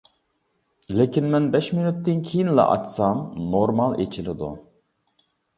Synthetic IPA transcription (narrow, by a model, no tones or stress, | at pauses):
lekʲinmɛnbɛʃminyt̪ːɪnkʲʰijinlɛ̰ʔɑ̰t͡ʃsɑmnoɾmɑlˠḛt͡ʃʰilɪd̪ṵ